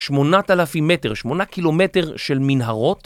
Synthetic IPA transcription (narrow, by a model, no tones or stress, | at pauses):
ʃmo̞natalafime̞teʁʃmo̞nakilo̞me̞te̞ʁʃelminɦaʁo̞t